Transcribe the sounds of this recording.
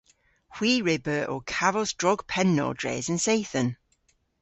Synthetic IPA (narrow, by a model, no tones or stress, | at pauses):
hw̥iːɹɪbəɔ̰kʰavəzdɹɒɡ̥pʰɛnːɔ̰ːdɹḛːzə̃nseɪθə̃n